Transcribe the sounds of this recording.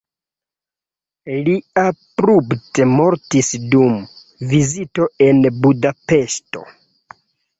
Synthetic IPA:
liapɾubtemo̞ɾtisdum | vizito̞e̞nbudape̞ʃto̞̰

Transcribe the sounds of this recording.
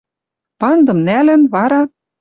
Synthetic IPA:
pɑnd̪ɤ̆mnælɘ̆nβɑɾɑ

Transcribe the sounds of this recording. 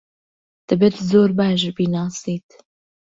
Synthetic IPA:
t̪ʰɛbɛt̪zoːɾbaːʃbiːnɑːsiːt̪

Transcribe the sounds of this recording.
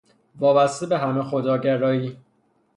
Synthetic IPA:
vɒːbæst̪ebeɦæmexod̪ɒːɟæɾɒːiː

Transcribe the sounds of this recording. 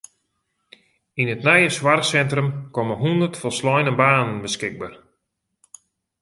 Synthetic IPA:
inətnajəswarsɛntrəmkɔməɦundərtfɔslɔjnəbaːnənbəskɪɡ̚baːr

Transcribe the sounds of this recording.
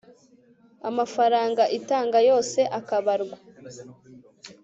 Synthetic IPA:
amafaɾaːŋɡaʔitaːŋɡajo̞ːse̞ʔakaβaɾɡwa

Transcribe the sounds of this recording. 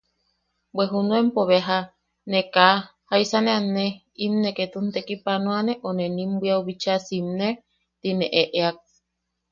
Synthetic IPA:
bweɦunũempoβeɦa | nekahaisanẽane | imneket̪unt̪ekipanõaneʔonenimbʷiauβit͡ʃasimne | t̪ineʔeʔeak̚

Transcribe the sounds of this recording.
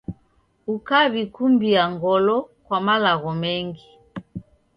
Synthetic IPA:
ukaβikumbiaŋɡɔlɔkwamalaɣɔmɛŋɡi

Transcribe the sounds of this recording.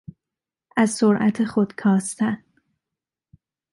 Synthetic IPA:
æzsoɾʔæt̪ʰexod̪̥kʰɒːst̪ʰæn

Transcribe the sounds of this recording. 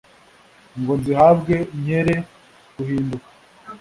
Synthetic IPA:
ŋɡonzihabɡe̞ɲe̞ɾe | ɡuhiːndukḁ

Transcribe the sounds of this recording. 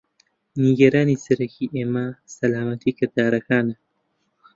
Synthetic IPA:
niɡɐɾaːnisɐɾɐkʰiʔeːmasɐlaːmɐt̪iːkɐɾd̪aːɾɐkaːnɐ

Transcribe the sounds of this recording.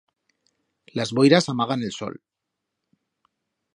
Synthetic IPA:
lazβo̞jɾasamaɣ̞ane̞lso̞̰l

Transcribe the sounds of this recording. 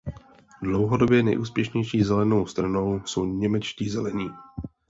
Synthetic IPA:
dlowɦo̞do̞bjɛnɛ̰jʔṵːspjɛʃɲɛjʃiːzɛlɛno̞wst̪ɾano̞wsowɲɛmɛt͡ʃciːzɛlɛɲiː

